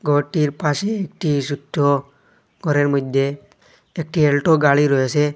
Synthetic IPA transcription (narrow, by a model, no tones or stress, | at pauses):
ɡʱɔʈiɾpaseːk̚ʈʰisuʈʰːo | ɡʱɔɾeɾmʊd̪ʱjeː | k̚ʈʰielʈoɡaɭiɾɔese